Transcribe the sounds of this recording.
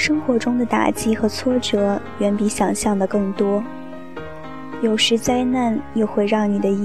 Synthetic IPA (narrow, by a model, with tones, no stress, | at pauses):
ʂɤ˥ŋxwɔ˧˥ʈ͡ʂʊ˥ŋd̪ə˨t̪a̰˨˩t͡ɕi˥xɤ˧˥t͡sʰwɔ˥ʈ͡ʂɤ˧˥ | ɥɛ˧˥npi˧˥ɕjɑ˨˩ŋɕjɑ˥˩ŋd̪ə˩kɤ˥˩ŋt̪wɔ˥ | jo˨˩ʊʂɻ̩˧˥t͡sa˥ɪna˥˩njo˥˧ʊxwe˥˧ɪɻɑ˥˩ŋni˨˩d̪ə˦i˧˥